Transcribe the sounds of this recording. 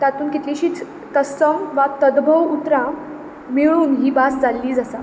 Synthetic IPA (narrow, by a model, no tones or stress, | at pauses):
t̪at̪uːnkit̪liɕiːt͡s | t̪əsəmʋat̪əd̪bʱəʋut̪ɾã | miɭuːnɦiːbasd͡zalːiːd͡zasa